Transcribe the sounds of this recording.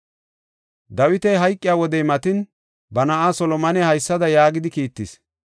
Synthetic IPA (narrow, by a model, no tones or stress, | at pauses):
d̪ɐwɪt̪ɛjɦɐjkʼːɪjaːwɔd̪ɛjmɐt̪ɪn | bɐnɐʔaːsɔlɔmɐnɛhɐjsːɐd̪ɐjaːɡɪd̪ɪkiːt̪ːɪs